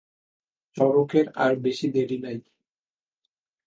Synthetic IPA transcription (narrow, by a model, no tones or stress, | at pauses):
t͡ɕɔɾokeɾa̰ɾbeʃid̪eɾinaj